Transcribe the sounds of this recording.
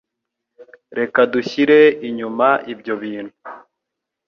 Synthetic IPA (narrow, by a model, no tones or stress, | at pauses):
ɾe̞kaduçiɾe̞iɲumaʔibjo̞βiːn̥hu